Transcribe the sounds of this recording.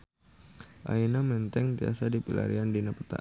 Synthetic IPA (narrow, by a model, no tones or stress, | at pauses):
ʔa̰inamɛnt̪ɛŋt̪iasadipila̰ɾiandinapət̪a̰